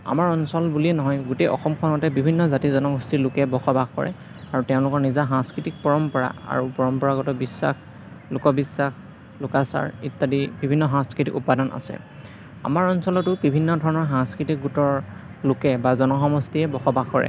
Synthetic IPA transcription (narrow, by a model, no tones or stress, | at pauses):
a̰maɹɔnsɔlbuliɛnɔɦɔjɡutejʔɔ̰xɔmkʰɔnɔtɛbibʱinːɔzatizɔnɔɡustilʊkɛbɔxɔbaɡkɔ̰ɹɛ̰ | aɹutɛʊ̃lʊkɔɹnizaɦãskɹitik̚pɔɹɔmpɔɹa̰a̰ɹupɔɹɔmpɔɹaɡɔtɔbisːa̰x | lʊkɔbisːax | lʊkasa̰ɹitːadibibʱinːɔɦãskɹitikupadanʔa̰sɛ̰ | a̰maɹɔnsɔlɔtʊbibʱinːɔdʱɔɹɔnɔɹɦãŋskɹitik̚ɡutɔɹ | lʊkɛbazɔnɔxɔmɔstiɛbɔxɔbaɡkɔɹɛ̰